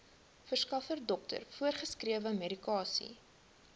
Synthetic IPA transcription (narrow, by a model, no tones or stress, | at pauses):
fərskɐfərdɔktə̰rfuərχəskriəvəmeɾikɑːsḭ